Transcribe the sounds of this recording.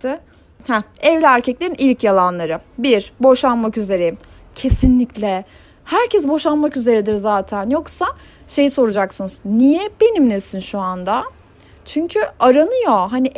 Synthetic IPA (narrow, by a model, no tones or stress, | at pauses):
hɛɛvlʲɛæɾcʰɛclʲeɾinʔilʲcjalˠanlˠaɾɯbiɾbo̞ʃanmakyze̞ɾejim | cʰe̞sinlʲiclʲɛ | hæɾcʰɛs̬bo̞ʃanmakyze̞ɾɛd̪iɾzaːt̪ʰænjo̞ksa | ʃe̞jiso̞ɾud͡ʒaksɯnɯz̥nijɛbe̞nimlʲesinʃuand̪a | t͡ʃʰyɲcʰyaɾanɯjoɦani